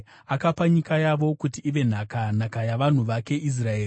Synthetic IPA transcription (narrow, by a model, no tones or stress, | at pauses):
akapaɲikajaʋo̞kutiːʋe̞n̤akan̤akajaʋan̤uʋake̞ʔis̬raeː